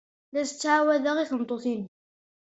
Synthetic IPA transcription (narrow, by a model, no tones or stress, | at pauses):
læsə̥t͡sːʕawæðæʁiθəmt̪ˤoθin